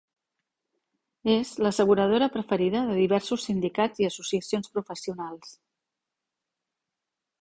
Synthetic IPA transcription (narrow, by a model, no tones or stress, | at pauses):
ezləsəɣ̞uɾəð̞oɾəpɾəfəɾiðəðəðiβ̞ɛɾsusːind̪ikad͡ziəsusiəsionspɾufəsiunalˠs